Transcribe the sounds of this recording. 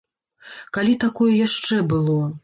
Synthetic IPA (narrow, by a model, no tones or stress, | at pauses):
kalʲit̪akɔjɐjaʂt͡ʂɛbɨlˠɔ